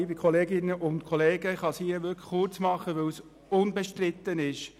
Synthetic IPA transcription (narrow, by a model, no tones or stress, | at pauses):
bɪkχɔleːɡɪnəʔʊnt̪kʰɔleːɡəχɑsiəʋʏɾkʰχʊrt͡smɑχəʋɛws | ʊnbɛʃtrɪt̪ːənɪʃ